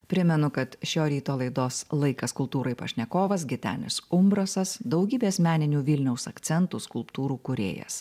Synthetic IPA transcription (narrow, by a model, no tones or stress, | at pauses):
pʲɾʲɪmʲɛnʊkɐt̪ʃʲoːɾʲiːt̪oːlˠɐɪd̪oːslˠɐɪkɐskʊlˠp̚t̪uːɾɐɪpɐ̰ʃʲnʲɛkoːʋɐs̬ɡʲɪt̪ʲæ̰ːnʲɪ̰sʊmbɾɐsɐsd̪ɒʊɡʲiːbʲeːsmʲæːnʲɪnʲuːʋʲɪlʲnʲɛʊsɐkt̪sʲɛnt̪uskʊlˠpt̪uːɾuːkʊɾʲḛːjɛ̰s